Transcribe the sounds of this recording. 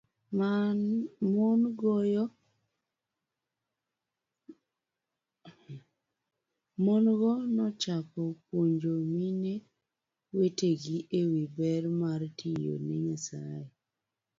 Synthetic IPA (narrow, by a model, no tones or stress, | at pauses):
ma | monɡɔjɔ | monɡɔnɔt͡ʃapɔpwoɲd͡ʒomine | weteɡiʔewibɛɾmartʰijo̰nɛɲasa̰je